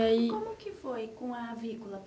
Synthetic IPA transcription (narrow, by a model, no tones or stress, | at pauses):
aikõmʊkɪfojkõɐvikulɐp